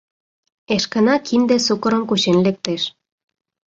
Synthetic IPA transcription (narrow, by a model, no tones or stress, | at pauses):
eʃkənakind̪esukoɾoŋkuʃenlek̚t̪eʃ